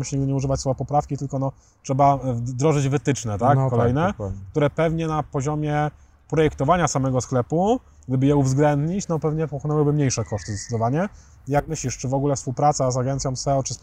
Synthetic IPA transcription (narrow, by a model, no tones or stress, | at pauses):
mɕɲiɡd̪ɘɲɛuʐɘvat͡ɕsɔjɛpɔpɾafkʲit̪ɘlkɔnɔ | t͡ʂʂɛbad̪ɾɔʐɘd͡ʑvɘt̪ɘt͡ʂnɛt̪akkɔlɛjnɛk̚t̪uɾɛpɛvɲɛnapɔʑɔmʲjɛ | pɾɔjɛkt̪ɔvaɲasamɛɡɔsklɛpu | ɡd̪ɘbɘjɛuvzɡlɛnd̪ɲit͡ɕnɔpɛvɲɛpɔkɔnɛwɘbɘmɲejʂɛkɔʂt̪ɘzd̪ɛt̪sɘd̪ɔvaɲɛ | ijak̚mɘɕlʲiʂt͡ʂɘvɔɡulɛfspuwpɾat̪sazaɡɛnt̪sʲjɔ̃w̃sɛɔt͡ʂɘs